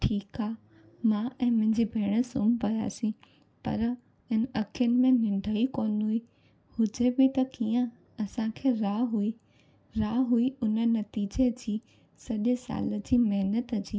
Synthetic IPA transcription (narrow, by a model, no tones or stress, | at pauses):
ʈʰiːkaː | mãʔɛ̃ːmʊ̃ɦɪ̃ɲd͡ʑibʱeːɽ̃ə̆sʊmpɐja̰ːsĩ | pɐ̰ɾ | ɪnəɐkʰijənɪ̆mẽnɪ̃ɳɖʱəikoːnui | hʊd͡ʑebɪt̪ɐkiːjə̃ | ɐsãkʰeːɾaːɦui | ɾaːɦuiʊnə̆nɐt̪iːd͡ʑed͡ʑiː | sɐʄesa̰ːlə̆d͡ʑiːmɐɦnət̪əd͡ʑiː